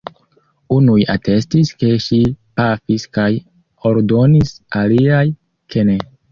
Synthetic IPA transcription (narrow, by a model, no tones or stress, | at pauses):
unujate̞stiske̞ʃipafiskaj | o̞ɾdo̞nisaliaj | kʰe̞ne